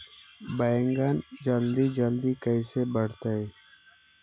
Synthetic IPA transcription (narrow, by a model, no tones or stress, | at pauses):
bəjŋɡənd͡ʒəld̪id͡ʒəld̪ikəɪsebəɽ̤t̪ae